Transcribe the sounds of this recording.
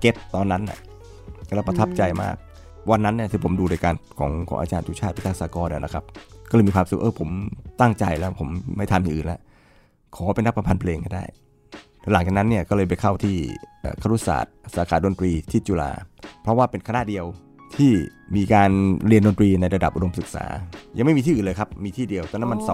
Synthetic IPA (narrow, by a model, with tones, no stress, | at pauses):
ke˦˥p̚t̪ɔː˧nːa˦˥nːa̰˧˩ | lːwpɾa˧t̪ʰa˦˥˩p̚t͡ɕa˧jma̰ː˥˩k̚ | wa˧nːa˦˥nːi˥˩t̪ʰiː˧˩pʰo˩˦mduː˧ɾaː˧jkaː˧nkʰɔ̰ː˩˦ŋkʰɔː˩˦ŋʔaː˧t͡ɕaː˧nt͡ɕ̪uː˧˦t͡ɕʰaː˥˩t̪pʰi˥t̪ʰa˧˩saː˧˦kɔː˧nʔa̰˧˩˨na̰˧˩kʰa˦˥p̚kɔː˥˩ɤː˧miː˧kʰaː˧msu˨˩k̚ʔɤː˧˩pʰo˩˦mt̪a˥˩ŋt͡ɕa˧jlɛː˦˥wpʰo˩˦mːa˥˩jt̪ʰa˧mja˨ʔːnla˦˥ | kʰɔː˩˦pa˧na˦˥kpːɾa˧mpʰa˧npʰleː˧ŋka˥˩jda̰ː˥˩j | la˩˦ŋt͡ɕaː˨˩k̚na˦˥nːi˥˩ɐkɔː˥˩lɤː˧jpa˨jkʰa˥˩wt̪ʰiː˥˩ʔːkʰa˧˩ɾu˦˥˩sa̰ː˨˩t̪̚saː˩˦kʰaː˩do˧nt̪ɾiː˧t̪ʰi˦˥˩t͡ɕuː˧la̰ː˧pʰɾɔ˦˥waː˥˩pe˧nkʰa˧na˦˥˩di˧əw | t̪ʰiː˥˩miː˧kaː˧nɾi˧əndo˧nt̪ɾiː˧na˧jɾa˧da˨˩p̚ʔu˧do˧msɯ˨˩k̚sa̰ː˩˦ja˨ŋma˥˩miː˧t̪ʰiː˥˨˩nlːjkʰa˦˥p̚miː˧t̪ʰiː˥˩di˧əwt̪ɛː˧˩na˦˥nma˧n˨